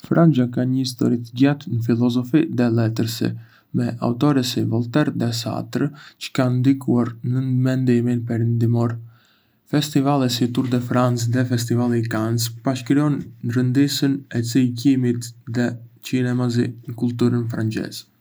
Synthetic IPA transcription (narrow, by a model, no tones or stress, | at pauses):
fɾʔand͡ʒakaɲəist̪ɔ̰ɾit̪əɟat̪nəfilˠɔzɔfiðɛlɛt̪əɾsḭ | mɛʔa̰ut̪ɔɾɛsivɔlˠt̪ɛɾðɛsa̰t̪ɾt͡ʃə̥kand̪ikuaɾnəmɛnd̪iminpɛɾɛnd̪imɔɾ | fɛst̪ivalˠɛsit̪uɾd̪ɛfɾant͡sðɛfɛst̪ivalˠikant͡spaʃkɾiɔnːɾənd̪isənɛt͡sikimit̪ðɛt͡ʃinɛmazḭnəkulˠt̪uɾənfɾant͡ʃɛ̰z